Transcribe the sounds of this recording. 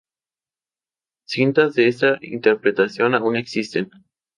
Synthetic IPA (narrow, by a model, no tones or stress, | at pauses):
sint̪azðeest̪aḭnt̪eɾpɾet̪asjonaune̞ksist̪en